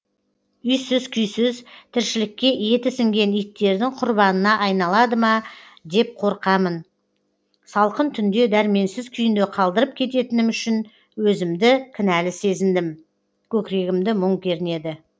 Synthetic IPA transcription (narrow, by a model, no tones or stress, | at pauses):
ʏjsɪzkʲʰʏjsɪzt̪ʰɪɾʃɪlɪkʲːe̞je̞t̪ɪsɪŋɡʲe̞nijt̪ːe̞ɾd̪ɪŋqʰʊɾbɑnənɑʔɑjnɑlˠɑd̪əmɑ | d̪e̞p̚qʰo̞ɾqɑmən | sɑlˠqənt̪ʰʏnd̪e̞d̪æɾme̞nsɪzkʲʰʏjɪnd̪eqʰɑlˠd̪əɾəp̚kʲʰe̞t̪e̞t̪ɪnɪmʏʃɪn | wɵzɪmd̪ɪkʲʰɪnælɪse̞zɪnd̪ɪm | kʲʰɵkʲɪɾe̞ɡʲɪmd̪ɪmʊɴkʲʰe̞ɾɪne̞d̪ɪ